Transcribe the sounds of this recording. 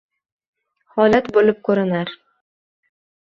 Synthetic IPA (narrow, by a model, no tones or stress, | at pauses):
hɒlat̪bolɪp̚kʰɵɾɪnaɾ